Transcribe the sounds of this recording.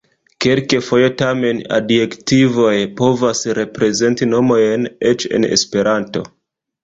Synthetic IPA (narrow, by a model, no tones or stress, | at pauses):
kelkefo̞je̞tame̞na̰dje̞ktivo̞jpo̞vasɾe̞pɾe̞ze̞ntino̞mo̞jne̞t͡ʃe̞̰ne̞̰spe̞ɾanto̞̰